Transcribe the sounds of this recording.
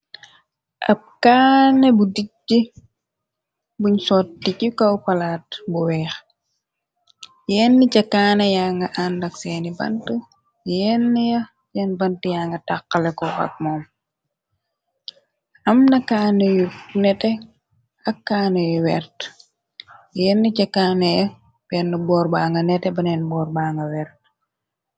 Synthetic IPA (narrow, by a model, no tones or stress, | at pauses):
ʔɐ̰p̚kaːnɛbudicːi | buɲsɔːttːikikɐwpɐlaːt̚buwɛːx | jɛːnːicɐkaːnɛjaːŋɡɐʔandɐksɛːnibɐ̰ntə | jɛːnːijɐ | jɛnbɐntijaːŋɡɐtakːɐlɛkɔʔɐ̰k̚mɔːm | ʔɐmnɐkaːnujunɛtɛ | ʔɐkːaːnɐjuwɛrt | jɛːnːicɐkaːnɐjɐ | bɛnːɐbɔːrbaːŋɡɐnɛtɛbɐnɛːnbɔːrbaːŋɡɐwɛːrt